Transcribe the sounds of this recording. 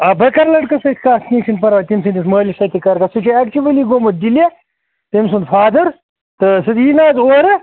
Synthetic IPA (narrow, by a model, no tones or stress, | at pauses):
ɐbɐkɐɾlɐʈkɐsɐt̪ʰʲkaːst̪ʲiːsinpɐɾʋaːt̪imsind̪ismɐːlisɐt̪ʲikɐɾkɐsut͡ʃiak̚t͡ʃuʋɐliɡomɐt̪̚d̪ile | t̪imsund̪faːd̪ɐɾ | t̪ɨsɨt̪jiːnaːzoːɾɐ